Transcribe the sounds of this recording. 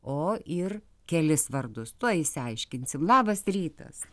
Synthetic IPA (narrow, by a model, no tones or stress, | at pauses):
oːɪr | kʲɛlʲɪsʋɐrd̪ʊst̪uɔɪsʲɪɐɪʃʲkʲɪnʲsʲɪmlˠɑːbɐsrʲiːt̪ɐ̰s